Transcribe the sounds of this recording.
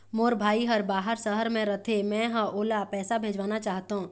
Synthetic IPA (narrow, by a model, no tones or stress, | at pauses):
moːɾbʱaːiɦəɾbaːɦəɾsəɦəɾmẽɾɐt̪ʰemɛ̃ːɦə̃ʔoːlapɛːsabʱeːd͡ʒʋaːnat͡ʃaːɦt̪aɦũː